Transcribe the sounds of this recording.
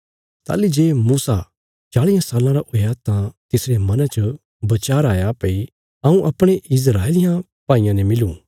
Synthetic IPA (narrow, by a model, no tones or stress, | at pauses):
t̪a̰ːlid͡ʒeːmuːsa̰ | t͡ʃaːɭɪjãsaːlãɾaʔʊjat̪ãt̪ɪsɾemɐnat͡ʃə | bɐt͡ʃaːɾaːjapɐi | ɐ̃ũʔɐpɽ̃eʔɪs̬ɾaːelɪjã | pãːɪ̃jãnɛmɪlũ